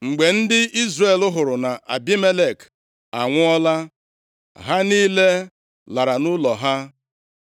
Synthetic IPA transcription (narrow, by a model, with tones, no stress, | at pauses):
ŋ͡m̩˨ɡ͡be˨n̩˦dɪ˦i˦zre˦˨lʊ˦ɦʊ˨ɾʊ˨na˨ʔa̰˨bi˦me˦le˨k | a˨ŋʷʊ˦ɔ˦la˦ | ɦa˦niː˦le˦ | la˨ɾa˨nʊ˦lɔ˨ɦa˦